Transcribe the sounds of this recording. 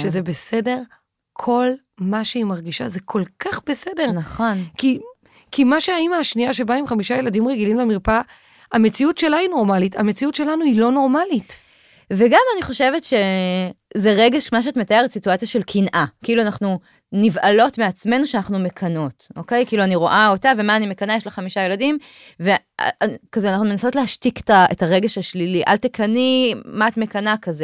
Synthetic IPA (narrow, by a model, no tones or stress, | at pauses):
ʃezebe̞se̞de̞ʁ | kʰo̞l | maʃeimaʁɡiʃa̰zekʰo̞lkʰaχbe̞se̞de̞ʁnaχo̞nki | kimaʃeaimaːʃniaʃe̞baimχamiʃaje̞ladimʁeɡilimlamiʁpa | ame̞t͡siutʃe̞laino̞ʁmalitʰamet͡siutʃe̞lanuilo̞no̞ʁmalit | veɡamaniχo̞ʃe̞vetʃe̞ | zeʁeɡe̞ʃkmaʃ̬eatmetajeʁetsituat͡sjaʃe̞lkʰinʔakiiluanaχnu | nivʔalo̞tmeat͡sme̞nuʃeanaχnume̞kʰɐno̞tʔo̞ke̞jkiiːluaniʁo̞ʔao̞tave̞maːnimekanajeʃlaχamiʃaje̞ladim | ve | a̰kazeanaχnume̞naso̞tleɦaʃtike̥taetaʁeɡeʃhaʃliliʔa̰ltekʰanimaːtme̞kanakaze